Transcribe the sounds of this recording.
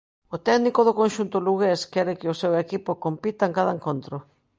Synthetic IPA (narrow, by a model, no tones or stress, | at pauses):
ʊt̪ɛɣnikoðʊkonʃunt̪ʊluɣeskɛɾɪkɪʊsewekipʊkompit̪aeŋkaðaeŋkont̪ɾʊ